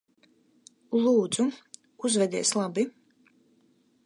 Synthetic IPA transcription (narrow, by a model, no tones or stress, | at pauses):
lˠuːd̪z̥u | uzvɛd̪iɛslˠabi